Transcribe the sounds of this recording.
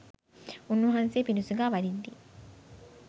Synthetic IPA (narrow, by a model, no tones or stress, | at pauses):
unːuɦanseːpinusuɡæːʋɐd̪id̪d̪iː